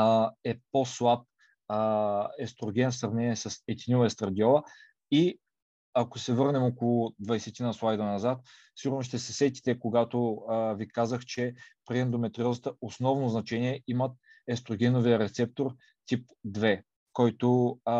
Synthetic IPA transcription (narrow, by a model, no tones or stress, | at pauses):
ɛposlˠap̚ː | ɛst̪ɾoɡʲɛnfsɾɐvnɛnʲiɛsɐsɛt̪ʲinʲuɛst̪ɾɐd̪ʲiɔlˠə | i | ɐkosɛvɤɾnɛmokolˠʊd̪vɐjsɛt̪inəslˠajd̪ɐnɐzat̪̚ | fsiɡʊɾnoʃ̬t̪ɛsɛsɛt̪ʲi̥t̪ɛkoɡat̪ovikazəxt͡ʃɛpɾiɛnd̪omɛt̪ɾiɔzˠət̪əosnɔvnoznɐt͡ʃɛnʲiɛimət̪̚ | ɛst̪ɾoɡʲɛnoviəɾɛt̪sɛp̚t̪oɾ | t̪ʲip̚ | d̪vɛ | kɔjt̪o